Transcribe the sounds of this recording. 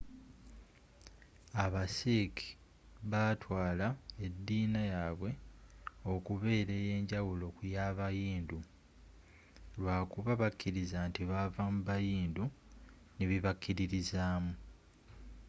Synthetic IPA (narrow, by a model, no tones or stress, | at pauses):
aβasiki̥ | βatwaːlae̞dːiːnajaβwe̞ | o̞kuβe̞ːɾeje̞ːɲɟawulo̞kujaːβajiːndu | lwaːkuβaβakʰːiɾizantiβavamuβajiːndu | niβiβakːiɾiɾizaːmu